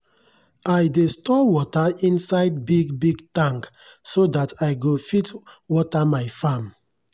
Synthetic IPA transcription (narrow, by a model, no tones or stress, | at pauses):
ajdestɔwɔtaĩnsaɪd̚biɡbiɡtãŋk | sodatajɡofitwɔtamaɪfãm